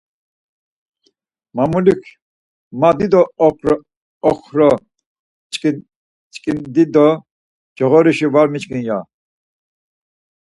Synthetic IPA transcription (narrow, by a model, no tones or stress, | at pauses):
mamulikʰ | mad̪id̪ɔ | χʰɾɔ | t͡ʃʼkʼind̪id̪ɔ | d͡ʒɔɣɔɾiʃivaɾmit͡ʃkʼinja